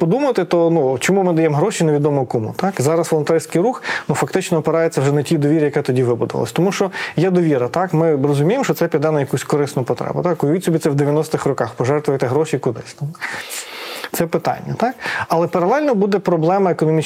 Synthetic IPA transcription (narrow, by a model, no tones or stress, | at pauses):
pɔd̪umɐt̪ɪt̪ɔnut͡ʃɔmumɪd̪ɐjɛmɦɾɔʃineʋʲid̪ɔmɔkɔmṵt̪ɑkzɑɾɐsʋlˠnt̪ɛrʲsʲkɪjɾuxnufɐkt̪ɪt͡ʃnɔːpeɾɑjet͡sʲːɐwʐɛnɐtʲid̪ɔʋʲiɾʲijɐkɛt̪ɔdʲiʋɪbʊd̪ʊʋɐ̰lˠɔ̰sʲt̪ɔmuʃt͡ʃɔjɛd̪ɔʋʲiɾɐt̪ɑkmɪɾɔzʊmʲijemʃt͡ʃɔt̪sɛpʲid̪ɛnɐjɐkusʲkɔɾɪsnʊpɔt̪ɾɛ̰bʊ̰t̪ɑkʊjʋʲit̪ʲsʲʊbʲit̪sɛwd̪eʋʲjɐnɔsʲt̪ɪxrɔkɑxpɔʒɛrt̪ʋʊjt̪ɛɦɾɔʃikʊd̪ɪ̰sʲt̪a | t̪sɛpɪt̪ɑ̰nʲːɐt̪ɑkɐlˠɛpɐɾɐlˠɛlʲnɔbud̪ɛpɾɔblˠɛmɐekɔnɔmʲi